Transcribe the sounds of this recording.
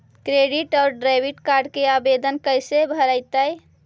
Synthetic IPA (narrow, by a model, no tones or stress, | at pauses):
kɾeɖiʈɔʊɾɖɾajbʱiʈkaɾɖkeabed̪ənkəjsebʱəɾəɪt̪əj